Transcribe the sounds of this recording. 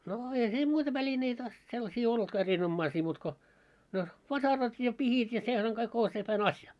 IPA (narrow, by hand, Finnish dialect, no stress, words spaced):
no eihæ siːm muitɑ ʋælineitæ selːɑsiː olːŭtkɑ erinomːɑisiː muːt ko no ʋɑsɑrɑt jɑ pihit jɑ sehæŋ kɑik o sepæn ɑsjɑ